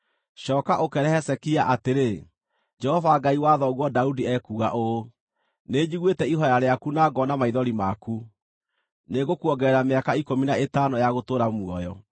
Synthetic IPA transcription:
ɕɔːkaʔokɛɾɛhɛsɛkiaʔateɾe | d͡ʒɛhɔvaɡaiwaːðɔɣwɔdaudiɛkuɣa̰ʔo | ned͡ʑiɣwetɛiɦɔjaɾeakunaɡɔnamaiðɔɾimaku | neɣokwɔɡɛɾameakaikominaetanojaɣotoːɾamwɔjɔ

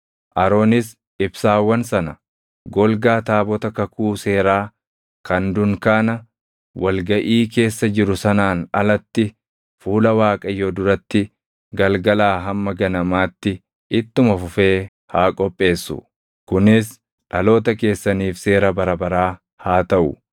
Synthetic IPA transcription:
ʔɐɾo̞ːnɪs | ɪbsaːwːɐnsɐnɐ | ɡɔlɡaːt̪aːbɔt̪ɐkɐkuːse̞ːɾaː | kɐnd̪ʊŋkaːnɐ | wɐlɡɐʔiːke̞ːsːɐd͡ʒɪɾʊsɐnaːnɐlɐt̪ːɪ | fuːlɐwaːkʼɐjoːd̪ʊɾɐt̪ːɪ | ɡɐlɡɐlaːɦɐmːɐɡɐnɐmaːt̪ːɪ | ɪt̪ːʊmɐfʊfe̞ː | haːkʼɔpʼːe̞ːsːʊ̰ | kʊnɪs | ᶑɐlo̞ːt̪ɐke̞ːsːɐniːfse̞ːɾɐbɐɾɐbɐɾaː | haːt̪ɐʔʊ̰

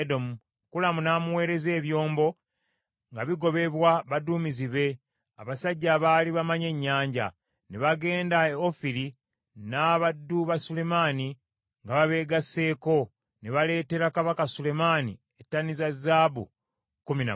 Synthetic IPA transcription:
do̞mu | kulamunaːmuwe̞ːɾe̞ze̞ːβjo̞ːmbo̞ | ŋɡaβiɡo̞βe̞βwaβaduːmiziβe̞ | a̰βasaɟːaːβaːliβamaɲe̞ɲːaːɲɟa̰ | neβaɡe̞ːndaeofiɾi | naβadːuβasule̞mani | ŋɡaβaβe̞ːɡasːe̞ːko̞ | neβale̞ːte̞ɾakaβakasule̞manḭ | etːanizazːaːbṵ | kumina̰

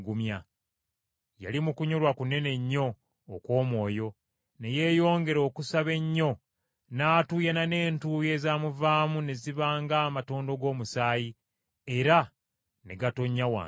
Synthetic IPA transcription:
ɡumja | ja̰limukuɲo̞lwakune̞ne̞ɲːo̞ː | kwo̞ːmwo̞ːjo̞ | ne̞je̞ːjo̞ːŋɡe̞ɾo̞ːkusaβe̞ɲːo̞ | naːtuːjanane̞ːntuːje̞ːzamuvaːmune̞ziβaːŋɡamato̞ːndo̞ɡo̞ːmusaːji | e̞ɾa | neɡato̞ɲːawa̰

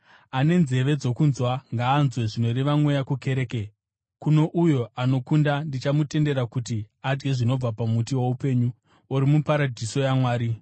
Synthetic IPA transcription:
ane̞nze̞ʋe̞d͡zo̞kunzwaŋɡaːnzwe̞ʐino̞ɾeʋamwejakuke̞ɾe̞ːke | kuno̞ʔujo̞ano̞kundandit͡ʃamute̞nde̞ɾakuti | ad͡ʒɡe̞ʐino̞b͡vapamutiwoupe̞ːɲu | uɾimupaɾadʱiso̞jamwaːɾi

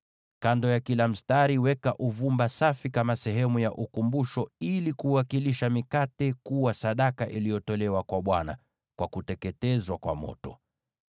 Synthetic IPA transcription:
kandɔjakilam̩staɾiwɛkaʔuvumbasafikamasɛɦɛmujaʔukumbuʃɔilikuwakiliʃamikatɛkuwasaɗakaʔilijɔtɔlɛwakwaɓwana̰ | kwakutɛkɛtɛzwakwa̰mɔ̰tɔ

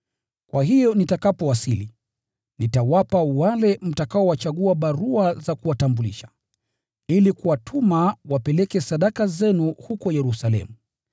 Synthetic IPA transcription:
kwaɦijɔnitakapɔwasili | nitawapawalɛm̩takaɔwat͡ʃaɠuaɓaɾuazakuwatambuliʃḁ | ilikuwatʰumawapɛlɛkɛsaɗakazɛnuhukɔjɛɾusalɛ̰mu

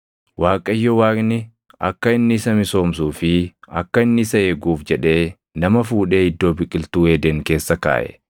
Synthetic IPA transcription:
waːkʼɐjːɔwaːkʼnɪ | ɐ̰kːɐɪnːɪɪsɐmɪso̞ːmsuːfɪɐkːɐɪnːɪɪsɐeːɡuːfd͡ʒɛᶑe̞ː | nɐmɐfuːᶑe̞ːɪd̪ːo̞ːbɪkʼːɪlt̪uːeːd̪ɛŋke̞ːsːɐka̰ːʔɛ̰

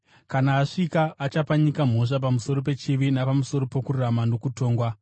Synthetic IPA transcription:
kanaːʂikaʔːt͡ʃapaɲikam̤o̞ʂap̬amuso̞ɾo̞p̬e̞t͡ʃiʋinapamuso̞ɾo̞po̞kuramano̞kuto̞ːŋɡwa

